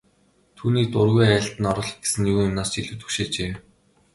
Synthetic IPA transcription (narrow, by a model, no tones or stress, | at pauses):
t̪ʰuːniːk̚t̪ʊrɣujæːɬt̪ɘ̆nɔɾɞ̆ɮ̆ɡe̥sɘ̆njuɣʊmnaːst͡ɕiɮŭwt̪ɵ̥kʃeːt͡ɕeː